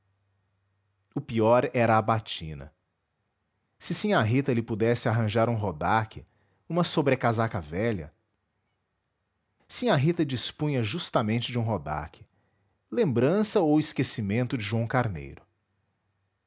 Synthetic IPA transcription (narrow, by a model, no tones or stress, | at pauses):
ʊpiɔɾɛɾɐːbat͡ʃḭ̃nɐ̰ | sɪsĩɲaɦit̪ɐlɪpud̪ɛsɪaɦɐ̃ʒaɾũɦod̪akʰɪ | ũmɐsobɾekazakɐvɛʎɐ̰ | sĩɲaɦit̪ɐd͡ʒispũɲɐʒust̪ɐmẽnt͡ʃɪd͡ʒũɦod̪a̰kʰɪ̥ | lẽmbɾɐ̃sɐowɪskesimẽnt̪ʊd͡ʒɪʒuɐ̃w̃kaɾnḛjɾʊ